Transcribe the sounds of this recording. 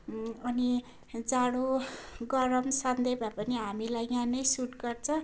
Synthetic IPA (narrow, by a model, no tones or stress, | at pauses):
ʌni | d͡zaɽoɡʌɾʌmsand̪ebapʌniɦamilajjãnʌjsuʈɡʌrt͡sʰʌ̃